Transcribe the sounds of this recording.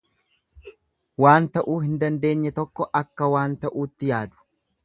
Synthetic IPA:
waːnt̪ɐʔuːhɪnd̪ɐnd̪e̞ːɲːɛt̪ɔkːɔʔɐkːɐwaːnt̪ɐʔuːt̪ːɪjaːd̪ʊ̥

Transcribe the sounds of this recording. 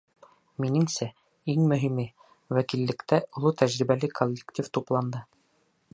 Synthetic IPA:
minɘ̆ŋsæ | iŋmɵ̆ɦimɘ | wækilːɘ̆kt̪æʔulˠɤt̪æʑɾiβælɘkʰolʲːektʲift̪uplˠɑnd̪ɤ

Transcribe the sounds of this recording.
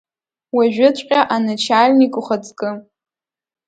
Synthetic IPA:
waʒᶣʊt͡sʷʼqʲʼaʔanɨt͡ʃʰalʲnikʼʊχat͡sʼkʼɨ

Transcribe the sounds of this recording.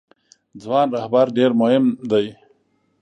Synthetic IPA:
d͡zwɑːnɾahbaɾɖeɾmʊhɪmd̪aj

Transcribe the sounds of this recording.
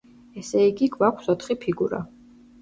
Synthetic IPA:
ɛsɛiɡiɡʰvakʷʰsɔt̪χipʰiɡuɾa̰

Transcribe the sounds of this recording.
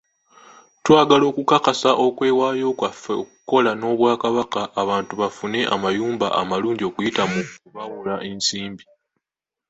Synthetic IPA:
twaːɡalo̞ːkukakasaʔo̞kwe̞ːwaːjo̞ːkwafeok̚u̥ko̞lano̞ːβwaːkaβakaʔːβaːntuβafune̞ʔa̰majuːmba̰ʔa̰maluːɲɟo̞kujitamuuβawulaʔe̞nsiːmbi

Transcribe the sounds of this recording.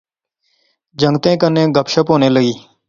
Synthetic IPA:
d͡ʒəŋɡt̪ẽːkənẽːɡəpʃəpoːneːləɡiː

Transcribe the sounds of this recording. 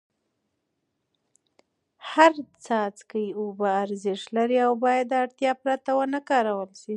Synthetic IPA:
haɾt͡sɑt͡skəjiobaːɾzɪʃlaɾiawbɑjad̪ːaɽt̪jɑpɾat̪awənakɑɾawəlʃi

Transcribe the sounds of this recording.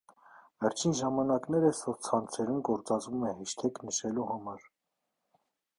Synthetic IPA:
vɛɾt͡ʃʰinʒɑmɑnɑknɛɾəsɔt͡sʰɑnt͡sʰɛɾumɡɔɾt͡sɑd͡zvumɛhiʃt̪ʰɛknəʃɛluhɑmɑɾ

